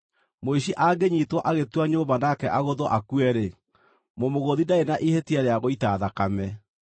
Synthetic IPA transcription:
moiʃiʔaːɡeɲitwɔʔaɣetwaɲoːbanakɛʔaɣoðɔʔakuɛɾe | momoɣoðidaenaʔihetiaɾeaɣoitaːðakamɛ

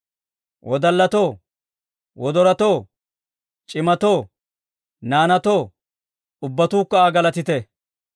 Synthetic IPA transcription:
wʔɔd̪ɐlːɐt̪oː | wɔd̪ɔɾɐt̪oː | t͡ʃʼɪmɐt̪oː | naːnɐt̪oː | ʊbːɐt̪uːkːɐaːɡɐlɐt̪ɪt̪ɛ

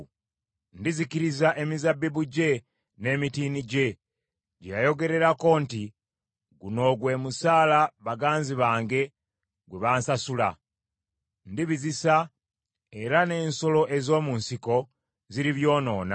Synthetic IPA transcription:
ndizikiɾizaʔe̞mizabːiβuɟe̞ | ne̞ːmitiːniɟe̞ | ɟejajo̞ɡe̞ɾe̞ɾako̞ːnti | ɡuno̞ɡwe̞ːmusaːlaβaɡaːnziβaːŋɡe̞ | ɡweβaːnsasula | ndiβizisa | e̞ɾane̞ːnso̞lo̞ʔe̞zo̞ːmunsiko̞ | ziɾiβjo̞ːno̞ːna

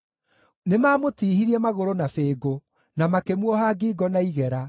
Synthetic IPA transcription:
nemaːmotiːɦiɾiɛmaɣoɾonafeːɡo | namakemwɔɦaɡiːɡɔnaiɣɛɾa

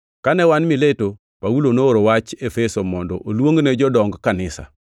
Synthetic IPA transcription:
kanɛwanmɪleto | pawulonooɾowat͡ʃefesomɔndɔʔolwoŋɡnɛd͡ʒɔdɔŋɡkanɪsa̰

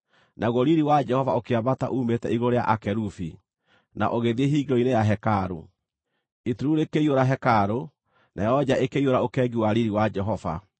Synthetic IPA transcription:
nʔaɣoɾiɾiwad͡ʒɛhɔvaokeabata̰ʔuːmetɛiɣoɾea̰ʔakɛɾufi | na̰ʔoɣeðieɦiɡiɾɔinejaɦɛkaɾo̰ | ituɾuɾekeioɾaɦɛkaɾo | nʔajɔd͡ʑaekeioɾaokɛɡiwaɾiɾiwad͡ʒɛɦɔva̰

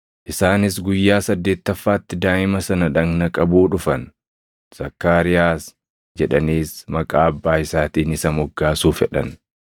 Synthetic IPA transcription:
ʔɪsaːnɪs̬ɡʊjːaːsɐd̪ːe̞ːt̪ːɐfːaːt̪ːɪd̪aːʔɪmɐsɐnɐᶑɐŋnɐkʼɐbuːᶑʊfɐn | z̥ɐkːaːɾɪjaːs | d͡ʒɛᶑɐniːsmɐkʼaːɐbːaːɪsaːt̪iːnɪsɐmɔɡːaːsuːfɛᶑɐ̰n

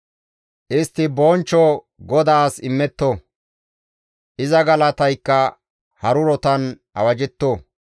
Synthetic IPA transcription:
ʔɪst̪ːɪbɔnt͡ʃːɔ | ɡɔd̪aːsɪmːɛt̪ːo | ʔɪzɐɡɐlɐt̪ɐjkːɐ | hɐɾʊɾɔt̪ɐn | ɐ̰wɐd͡ʒɛt̪ːo

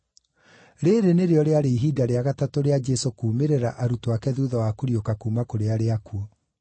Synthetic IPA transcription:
ɾeɾeneɾeɔɾeaɾeiɦiːdaɾeaɣatatoɾead͡ʒɛsokuːmeɾeɾaʔaɾutoakɛðuːðɔwakoɾiokakuːmakoɾeaɾeakuɔ

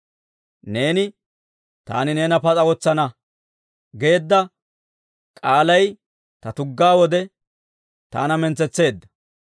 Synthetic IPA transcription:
ne̞ːnɪ | t̪a̰ːnɪne̞ːnɐpɐt͡sʼɐwɔt͡sːɐnɐ | ɡe̞ːd̪ːɐ | kʼaːlɐj | t̪ɐt̪ʊɡːaːwɔd̪ɛ | t̪a̰ːnɐmɛnt͡sɛt͡sːe̞ːd̪ːɐ̥

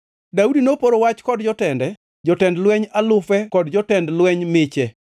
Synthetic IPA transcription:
daudinopoɾowat͡ʃkɔdd͡ʒɔtɛndɛ | d͡ʒɔtɛndlwɛɲalʊfɛkɔdd͡ʒɔtɛndlwɛɲmɪt͡ʃɛ

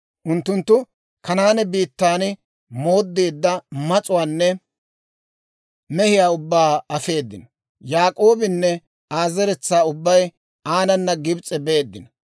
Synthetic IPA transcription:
ʔʊnt̪ːʊnt̪ːʊ | kɐnaːnɛbiːt̪ːaːnɪ | mo̞ːd̪ːeːd̪ːɐmɐt͡sʼʊwaːnːɛ | mɛhɪjaːʊbːaːɐfe̞ːd̪ːɪnɔ̥ | jaːkʼo̞ːbɪnːɛ | aːzɛɾɛt͡sːaːʊbːɐj | aːnɐnːɐɡɪbt͡sʼːɛbeːd̪ːɪnɔ

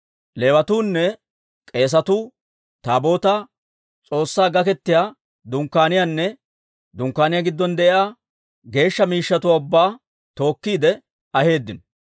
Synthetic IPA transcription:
le̞ːwɐt̪uːnːɛ | kʼe̞ːs̬ɐt̪ʊ | t̪aːbo̞ːt̪a | t͡sʼo̞ːsːaːɡɐkɛt̪ːɪjaː | d̪ʊŋkːaːnɪjanːɛ | d̪ʊŋkːaːnɪjaːɡɪd̪ːɔnd̪ɛʔɪaː | ɡe̞ːʃːɐmiːʃːɐt̪ʊwaʊbːaː | t̪o̞ːkːiːd̪ɛ | ɐhe̞ːd̪ːɪnɔ

